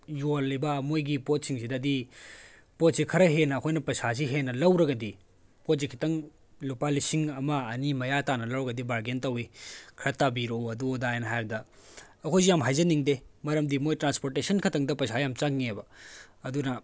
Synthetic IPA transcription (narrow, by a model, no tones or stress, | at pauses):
jolːibɐmojɡipot̚siŋsidɐdi | pot̚sikʰɐɾɐɦenɐːkʰojnɐpɐsas̬iɦenːɐlɐwɾɐɡɐdi | pot̚zikʰi̥tɐŋ | lupalisiŋɐmɐːnimɐjatanɐlɐwɾɐɡɐdibaɾɡentɐwikʰɾɐtːabiɾoɐduodajnɐɦajbɐdɐː | kʰojs̬ijamɦajzɐniŋdemɐɾɐmdimojtɾanspoɾtesɐnkʰɐtɐŋdɐpɐjsajamt͡ʃaŋːbɐɐdunɐ